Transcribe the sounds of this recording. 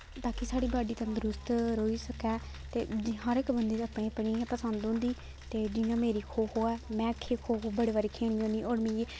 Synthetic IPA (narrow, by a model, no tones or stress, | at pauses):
t̪aːkisaːɽiːbaːɖiːt̪ãːd̪ʊɾʊst̪ɾoːiːsəkɛː | t̪eːd͡ʒɪɦãːɾɪkbənd̪eːaːpɳẽːəpɽ̃iːpəsə̃nd̪õːnd̪iː | t̪eːd͡ʒɪjãːmeːɾiːkʰoːɦoːɛːmɛ̃ːəkʰːeːkʰoːɦoːbəɽeːʋaːɾeːkʰeːɽ̃iːõːd̪iːʔoːɾmẽːeː